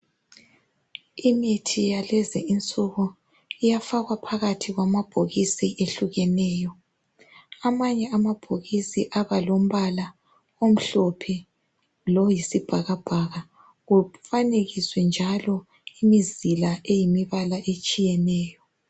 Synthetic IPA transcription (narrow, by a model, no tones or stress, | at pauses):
imitʰijalɛzɛint͡sʼuɣu | ijafaɣwapʰaɣatʰiɣwamab̥ʱoɣisiʔeɬuɣɛnɛːjɔ | amaɲɛamab̥ʱoɣisiʔaβalom̩βala | om̩ɬɔpʰɛ | lɔjisib̥ʱaɣab̥ʱaɣa | ɣufaneɣiswɛnd͡ʒʱalɔ | imizilaʔejimiβalaʔet͡ʃʼijɛnɛːjɔ